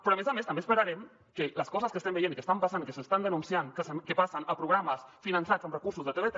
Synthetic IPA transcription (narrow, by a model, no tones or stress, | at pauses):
pɾɔamezamest̪ɐmbespəɾaɾɛm | kələskɔzəskəst̪ɛmbəjenikəst̪ampasanikəsəst̪and̪ənunsiaŋkəskepasənəpɾuɣɾaməsfinɐnsat͡səmrəkuɾsuzðət̪eβet̪